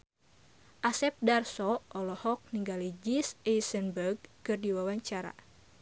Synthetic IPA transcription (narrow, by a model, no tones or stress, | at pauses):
ʔasɛp̚darsɔʔɔlɔhɔk̚niŋɡalid͡ʒisɛjsənbərɡ̚kɨrdiwawaɲt͡ʃaɾa̰